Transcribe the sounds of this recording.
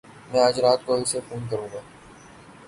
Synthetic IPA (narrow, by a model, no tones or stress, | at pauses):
mɛ̃aːd͡ʒɾaːt̪̚koɪsefuːnkɐɾũːɡaː